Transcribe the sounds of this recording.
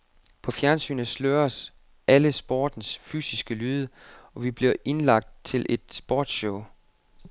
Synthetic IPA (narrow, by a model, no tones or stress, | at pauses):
pʰɒ̽fjæɐnsy̰ːnəsløːɐs | ʔæləsb̥ɒ̰ːd̥n̩sfy̰ːsisɡ̥əlyːðˠəɒ̽ʋib̥liɐ̰ʔe̝nlɑ̈ɡ̥̚d̥̚t͡sʰe̝lʔe̝d̥sb̥ɒ̰ːd̥ɕɔʊ̰